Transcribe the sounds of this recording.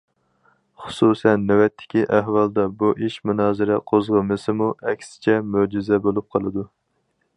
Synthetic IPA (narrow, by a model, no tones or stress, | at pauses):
χʊ̥susɛnːɛwɛt̪ʰːɪ̥kʲiʔæhwɑlˠd̪ɛbuʔiʃmunɑːzɨɾɛqʰozʁəmɨsɨmuɛkʲsɪ̥t͡ʃʰɛmød͡ʒizɛbolˠup̚qʰɑlˠɨd̪u